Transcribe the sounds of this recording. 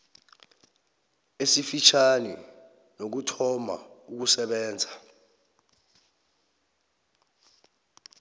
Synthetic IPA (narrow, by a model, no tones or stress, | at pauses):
esifit͡ʃʰanḭ | nok̬utʰɔma̰uk̬usɛɓɛːnd͡zʱa